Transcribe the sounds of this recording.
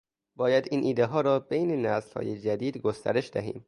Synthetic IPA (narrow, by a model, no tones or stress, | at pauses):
bɒːjæd̪iːnʔiːd̪eɦɒːɾɒːbejnenæzlhɒ̰ːjed͡ʒæd̪iːd̪ɡost̪ʰæ̰ɾe̞ʃd̪æɦḭːm